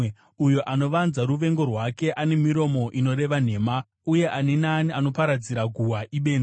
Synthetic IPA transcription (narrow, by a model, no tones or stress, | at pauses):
ujoʔano̞ʋanzaɾuʋe̞ŋɡo̞rwake̞ʔane̞miɾo̞mo̞ʔino̞ɾe̞ʋan̤e̞ːma | uje̞ʔanenaːniano̞paɾad͡ziɾaɡʱuwaʔiɓe̞ːna